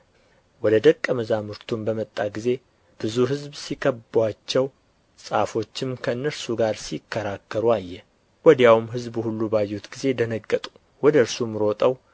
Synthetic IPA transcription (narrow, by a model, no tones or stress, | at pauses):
wɔd̪əd̪əkʼːəməzamɨɾt̪ʰumbəmət̪ʼːaɡize̞ | b̥ɨzuɦɨzbsikʰəbat͡ʃːɛw | sʼafo̞t͡ʃːɪmkʰəɨnːəɾsuɡaɾsikʰːəɾakːəɾuajːɛ | wɔd̪jawmɦɨzbuhulːubajːut̪ɡize̞d̪ənəɡʼːət̪ʼu̥ | wɔd̪əɾsumːɨɾot̪ʼəw